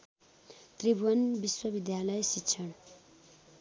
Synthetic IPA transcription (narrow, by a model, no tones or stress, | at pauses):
t̪ribwʌnbiswʌbid̪jalʌjsitt͡sʰʌn